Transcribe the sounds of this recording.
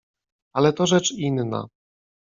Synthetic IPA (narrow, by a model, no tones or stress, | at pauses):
alɛt̪ɔʐɛt͡ʂinːa̰